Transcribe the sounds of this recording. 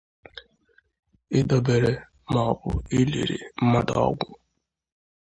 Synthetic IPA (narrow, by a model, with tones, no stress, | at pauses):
ɪ˦dɔ˨be˨ɾe˦ | mɔ˨bʊ̰˨i˦lḛ˨ɾḭ˨m̩˦ma˦dɔ̰˦ɡʷʊ˦